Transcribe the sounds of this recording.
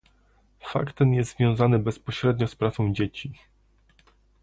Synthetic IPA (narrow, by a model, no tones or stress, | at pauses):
fa̰kt̪ːɛnjɛst̪zvʲjɔ̃w̃zanɘbɛspɔɕɾɛd̪ɲɔspɾat̪sɔ̃w̃d͡ʑet͡ɕi